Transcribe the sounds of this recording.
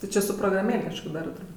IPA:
tʲɪ ˈt͡ʃʲɪ sʊ proːɡrɐˈmʲeːlʲ kɐʃˈkoː ˈdɑːrɜ tʊrˈbuːtʲ

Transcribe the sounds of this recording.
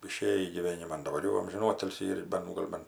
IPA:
ɪˈʃʲeːjiː ɡʲiːˈʋʲeːnʲɪmɐn dɐˈbɐr jɛʊ ɐmʲʒʲɪnˈoːtʲɪlʲsʲiː ɪr ˈbʲɛn ˈɡoːlʲ ˈbʲɛn

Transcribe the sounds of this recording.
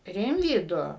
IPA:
ˈrʲɪmʲʋʲiːdʊ

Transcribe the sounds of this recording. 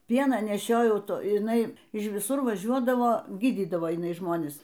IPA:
ˈpʲiɛnɑː nʲɛˈʃʲoːjɛʊ ˈtoː ɪˈnɐɪ ɪʃ ʋʲɪˈsʊr ʋɐˈʒʲuɔdɐʋoː ˈɡʲiːdʲiːdɐʋoː jɪˈnɐɪ ˈʒmoːnʲɪs

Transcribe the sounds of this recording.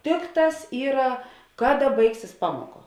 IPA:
ˈtʲɪkˌtɑːs ˈiːrɐ ˈkɑːˌdɐ ˈbɐɪksʲɪs ˈpɑːmoːˌkɐ

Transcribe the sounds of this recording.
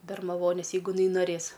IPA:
bʲɛrmɐˈʋoːnʲeːs jɛɪˈɡʊ ɪˈnɐɪ noːˈrʲeːs

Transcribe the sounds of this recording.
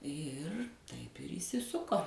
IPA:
ˈɪr tɐɪp ɪr iːsʲɪˈsʊkoː

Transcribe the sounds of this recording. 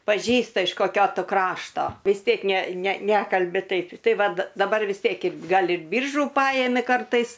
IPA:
pɐˈʒʲiːstɐ ɪʃ koːˈkʲoː ˈtʊ ˈkrɑːʃtoː ʋʲɪs ˈtʲiɛk nʲɛ nʲɛ ˈnʲæːkɐlʲbʲɪ ˈtɐɪp ˈtɐɪ ˈʋɐt dɐˈbɐr ʋʲɪs ˈtʲiɛk ɪr ˈɡɐlˠ ɪr ˈbʲiːrʒʊ ˈpɑːjɛmʲɪ ˈkɐrtɐɪs

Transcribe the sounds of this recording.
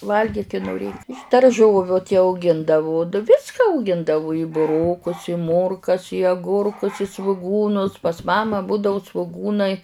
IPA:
ˈʋɐlʲɡʲiːk ɪ noːˈrʲeːk ɪʃ dɐrˈʒoːʋʲʊ tʲɪ ɐʊˈɡʲɪndɐʋʊ ˈʋʲɪskɐ ɐʊˈɡʲɪndɐʋʊ ɪ bʊˈroːkʊs ɪ ˈmoːrkɐs ɪ ɐˈɡʊrkʊs ɪ sʋʊˈɡuːnʊs pɐs ˈmɑːmɐ ˈbʊdɐʊ sʋʊˈɡuːnɐɪ

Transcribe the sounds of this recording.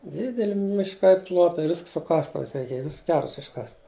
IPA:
ˈdʲɪdʲɛlʲɪ mʲɪʃˈkɐɪ ˈplˠoːtɐɪ ˈʋʲɪsk sʊ ˈkɑːstʊʋɐɪs rʲɛɪˈkʲeːj ˈʋʲɪs ˈkʲɛrs ɪʃˈkɐsʲtʲ

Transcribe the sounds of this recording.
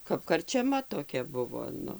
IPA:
kɐp kɐrʲt͡ʃʲɛˈmɐ toːˈkʲɛ ˈbʊʋoː ˈnʊ

